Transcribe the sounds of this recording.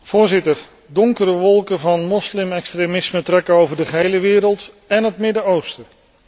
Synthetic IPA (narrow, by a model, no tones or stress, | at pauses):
v̥ʊːɹzɪtəɹ | dɔŋkəɾəʋɔlˠkənvɑnmɔslɪmɛkstremɪsmətrɛkəowvəɹdəχəɦejləʋɪːɾəlˠt | ɛnətmɪdəowstə